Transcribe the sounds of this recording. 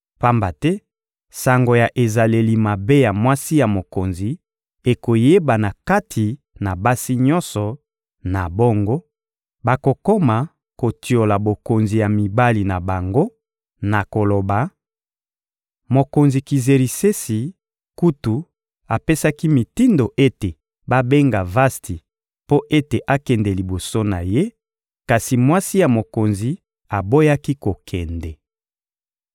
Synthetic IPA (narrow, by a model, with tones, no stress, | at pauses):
pa˦mba˨tɛ˦ | sa˨ŋɡo˨ja˨ʔe˨za˨le˨li˨ma˨be˦ja˨mwa˦si˦ja˨mo˨ko˨nzi˨ | e˨ko˨je˦ba˨na˨ka˦tʰi˨ | na˨ba˦si˦ɲɔ˦nsɔ˨ | na˨bo˦ŋɡo˦ | ba˨ko˨ko˦ma˨ | ko˨tʰi˨o˨la˨bo˨ko˨nzi˨ja˨mi˨ba˦li˨na˨ba˨ŋɡo˦ | na˨ko˨lo˨ba˨ | mo˨ko˨nzi˨ki˨ze˨ʁi˨se˦si˨ | ku˦tu˨ | a˨pe˦sa˦ki˦mi˨ti˦ndo˨ʔe˦te˨ | ba˦be˦ŋɡa˨va˦sti˨ | po˦ʔe˦te˨ʔa˦kɛ˨ndɛ˨li˨bo˨so˦na˨je˦ | ka˨si˨mwa˦si˦ja˨mo˨ko˨nzi˨ | a˨bo˦ja˦ki˦ko˨kʰɛ˨ndɛ˨